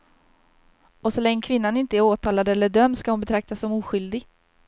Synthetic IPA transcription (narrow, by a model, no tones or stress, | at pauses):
ɔsɔlɛŋːəkʰvɪn̪ːanɪnt̪əæɾoːt̪ʰɑːlad̪ɛlːəɖœmd̪skahʊnbɛt̪ʰɾak̚t̪asːɔmuːɧʏld̪ɪɡ